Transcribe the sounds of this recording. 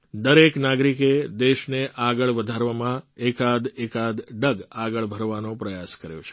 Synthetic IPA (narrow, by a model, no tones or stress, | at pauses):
d̪əɾeknaɡɾiked̪eʃneʔaɡəɭʋəd̪ʱaɾʋamãekad̪ekad̪ɖəɡaɡəɭbʱəɾʋanõpɾəjaskəɾjo̰t͡ʃʰe̥